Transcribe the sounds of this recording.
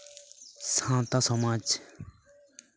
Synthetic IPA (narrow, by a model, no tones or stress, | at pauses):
sʰãt̪asomãt͡ɕ